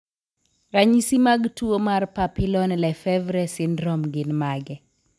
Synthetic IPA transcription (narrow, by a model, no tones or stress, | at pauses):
raɲisimaɡtuomarpapilɔnlɛfɛvɾɛsɪndɾɔmɡɪnmaɡɛ